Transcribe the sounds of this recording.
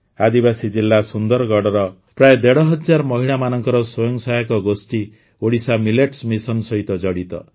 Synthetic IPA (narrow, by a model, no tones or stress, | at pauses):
ad̪ibasid͡ʒilːasund̪ɔɾɡɔɽɔɾɔ | pɾajed̪eɽɔɦɔd͡ʒaɾmɔɦiɽɭamanɔŋkɔɾɔswɔjɔŋsajakɔɡosʈ̪i | oɽisamileʈsmisɔnsʌɦit̪ɔd͡ʒɔɽit̪ɔ̰